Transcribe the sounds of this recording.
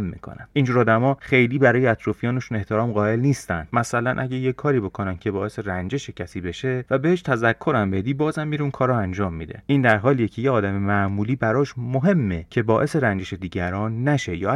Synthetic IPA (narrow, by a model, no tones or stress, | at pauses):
mːḭkʰo̰næmind͡ʒuːɾɒːd̪æmɒːxe̞jliːbæɾɒːjeæt̪ʰɾɒːfijɒːneʃune̞ht̪ʰeɾɒːmɢɒːe̞lniːst̪ænd̪̥mæsælænʔæ̰ɟæjekʰːɒːɾiːbo̞kʰonæncʰe̞bɒːe̞se̞ɾænd͡ʒe̞ʃecʰæsiːbe̞ʃe̞væbe̞heʃt̪ʰæzækʰːo̞ɾæmbe̞d̪iːbɒːzæmːiːɾeunkʰɒːɾɒænd͡ʒɒːmːḭːd̪e̞̰ʔiːnd̪æɾɦɒːlijecʰe̞jeɒːd̪æme̞mæʔmuːliːbæɾɒːʃmoɦe̞mːecʰe̞bɒːʔe̞se̞ɾænd͡ʒe̞ʃe̞d̪iːɟæɾɒːnːæʃe̞jɒː